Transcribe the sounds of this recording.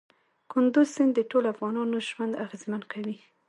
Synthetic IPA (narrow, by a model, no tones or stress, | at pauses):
kʊnd̪uzsɪnd̪əʈolafɣɑnɑnoʒwand̪aɣezmankʰawi